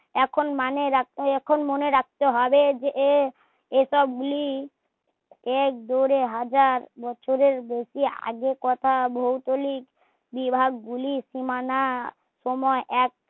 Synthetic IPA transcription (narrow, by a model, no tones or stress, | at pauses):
ɛkʰonmaneɾak̚t̪ɛkʰonmoneɾak̚t̪eɦɔbed͡ʑeʔe | eʃɔb̚ɡuli | ɛk̚d̪oɾeɦad͡ʑaɾbɔt͡ʃʰoɾeɾbeʃia̰ɡekɔt̪ʰabʱowt̪olik | bibʱaɡɡuliʃimana | ʃɔmɔeʔɛk̚